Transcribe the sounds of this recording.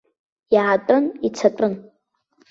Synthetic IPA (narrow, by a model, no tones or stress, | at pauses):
jʕatʼʊnit͡sʰatʷʼʊn